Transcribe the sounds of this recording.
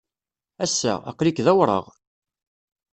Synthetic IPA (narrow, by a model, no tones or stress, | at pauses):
æsːæ̰æ̰qːlikðæwɾˤə̰ʁ